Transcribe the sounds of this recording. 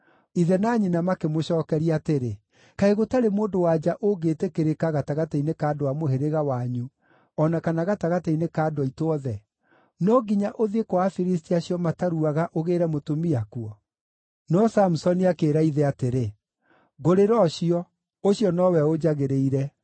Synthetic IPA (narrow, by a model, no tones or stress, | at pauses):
iðɛnaɲinamakemoɕɔːkɛɾiateɾe | kaeɣotaɾemoːndowad͡ʒaʔoɡeːtekeɾekaɣataɣatɛinekaːdowamoheɾeɣawaɲu | ɔnakanaɣataɣatɛinekaːdwɔitoɔðɛ | nɔɡiɲaʔoðekowafiɾis̬tiaɕiɔmataɾuaɣaʔoɣeːɾɛmotomiakuɔ | nɔsamusɔniakeːɾaiðɛateɾe | ɣoɾeɾɔɕiɔ | oɕijɔnɔwɛod͡ʒaɣeɾeiɾɛ